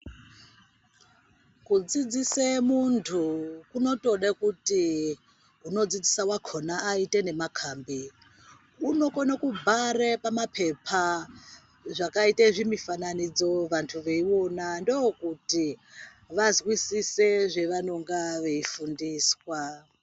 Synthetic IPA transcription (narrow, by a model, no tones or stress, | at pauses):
kud͡zid͡zisemuntʰukuno̞to̞ɗekuti | uno̞d͡zid͡zisawakʰonaːitene̞makʰaːmbi | uno̞konakubʱarepamapʰe̞pʰa | ʐakaiteʐimifananid͡zo̞ʋantʰuʋeiwo̞nandookuti | ʋazwisiseʐe̞ʋano̞ŋɡaʋe̞ifundiːswa